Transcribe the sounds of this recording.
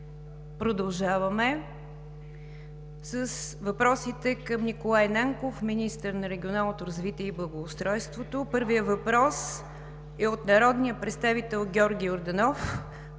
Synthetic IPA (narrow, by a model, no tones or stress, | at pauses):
pɾod̪ɐlˠʒavəmɛ | səsvɐpɾɔsit̪ɛkəmnikolˠajnaŋkofminist̪əɾnɐɾɛɡʲionalˠnot̪oɾəzvit̪iɛiblˠəɡoːst̪ɾɔjst̪vot̪opɤɾvijəvɐpɾɔs | ɛot̪nɐɾɔd̪nijəpɾɛt̪st̪avit̪ɛlˠɡʲɔɾɡʲioɾd̪ɛnɔf